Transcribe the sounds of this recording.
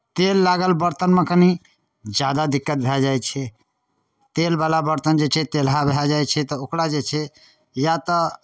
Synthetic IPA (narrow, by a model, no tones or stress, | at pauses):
t̪elːaɡəlbəɾt̪ənmekəni | d͡ʒjad̪ad̪ikːət̪̚bʱed͡ʒajt͡ʃʰɛ | t̪elbalabəɾt̪ənd͡ʒet͡ʃʰɛt̪elɦabeɦad͡ʒajt͡ʃʰɛt̪ɔokɽad͡ʒet͡ʃʰɛ | jat̪ə